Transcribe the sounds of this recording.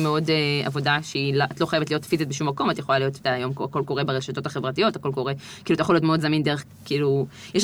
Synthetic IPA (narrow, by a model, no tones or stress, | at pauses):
meo̞dea̰vodaʃeilʔatlo̞χajevetlijotfizit̪̚beʃumːako̞matjeχolalijo̞te̥t̪aːjo̞mkoako̞lko̞ʁebeʁeʃat̪o̞taχevʁatijo̞tako̞lko̞ʁe | kilutajexolijotmeo̞dzamindeeχ | kiiːlujɛʃ